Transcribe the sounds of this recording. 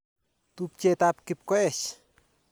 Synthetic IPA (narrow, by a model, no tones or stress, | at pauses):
t̪up̚t͡ʃet̪apkip̚koet͡ʃ